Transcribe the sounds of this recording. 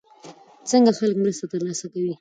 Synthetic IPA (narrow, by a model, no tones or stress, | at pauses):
t͡səŋɡaxaləkmɾəst̪at̪əɾlɑsakawi